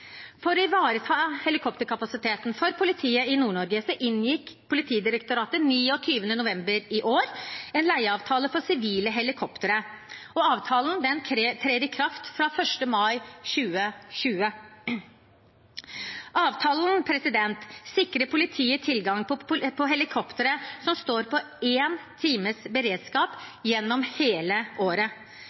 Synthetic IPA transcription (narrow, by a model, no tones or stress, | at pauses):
fɔɾɪʋɑːɾət̪ʰɑhɛlɪkʰɔpt̪əɾkʰɑpɑsɪt̪ʰeːt̪nfɔɾpʰʊlɪt̪ʰiːəɪnuːɳɔɾɡəsɔʔɪnjɪkpʰʊlɪt̪ʰiːd̪ɪɾəkt̪ʊɾɑːt̪əniːɔt̪ʰyːʋənənʊʋɛmbəɾɪʔoːɾɛːnlæɪəɑːʋt̪ʰɑːləfɔsɪʋiːləɦɛlɪkʰɔpt̪əɾəɔɑːʋt̪ʰɑːlnd̪ɛnkʰɾk̪ʰɾeːd̪ɪkʰɾɑft̪fɾɑfœʂʈəmɑɪɕʉːəɕʉːə | ʔɑːʋt̪ʰɑːlnpʰɾɛsɪd̪ɛnt̪sɪkɾəpʰʊlɪt̪ʰiːət̪ʰɪlɡɑŋpʰɔpʰɔɦɛlɪkʰɔpt̪əɾəsɔmst̪oːɾpɔ | eːnt̪ʰiːməsbəɾeːd̪skɑːpjɛnːɔmheːləʔoːɾə